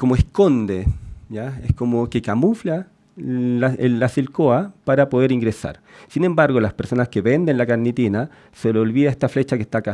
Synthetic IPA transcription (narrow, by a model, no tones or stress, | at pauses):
komoesko̞nd̪ejaeskomokekamufla | aeːasilkoapaɾapoðe̞ɾiŋɡɾesa̰ɾsine̞mbaɾɣolaspe̞ɾso̞naskeβe̞nd̪enlakaɾnit̪ina | seleolβiðaest̪aflet͡ʃakehst̪aka